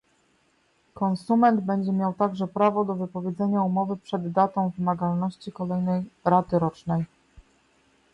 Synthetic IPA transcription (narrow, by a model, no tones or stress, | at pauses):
kɔnsumɛnd̪bɛɲd͡ʑɛmʲjawt̪aɡʐɛpɾavɔd̪ɔvɘpɔvʲjed̪zɛɲaumɔvɘpʂɛd̪ːat̪ɔ̃w̃vɘmaɡalnɔɕt͡ɕikɔlɛjnɛjɾat̪ɘɾɔt͡ʂnɛj